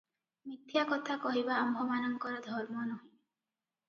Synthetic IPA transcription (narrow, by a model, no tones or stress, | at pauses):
mit̪ʰjakɔt̪ʰakɔɦibaːmbʱɔmanɔŋkɔɾɔd̪ʱɔɾmɔnɔɦĩ